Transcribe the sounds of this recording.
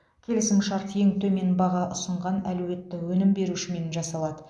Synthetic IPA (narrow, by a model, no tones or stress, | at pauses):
kʲʰe̞lɪsɪmʃɑɾt̪je̞ŋt̪ʰɵme̞nbɑʁɑʔʊsəɴʁɑnæluwe̞t̪ːɪwɵnɪmbe̞ɾuʃɪme̞nʒɑsɑlˠɑd̪ə